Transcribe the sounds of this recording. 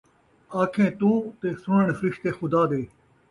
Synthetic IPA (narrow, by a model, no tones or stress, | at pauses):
aːkʰẽːt̪ũːt̪eːsʊɳəɳfɾɪʃt̪eːxʊd̪aːd̪eː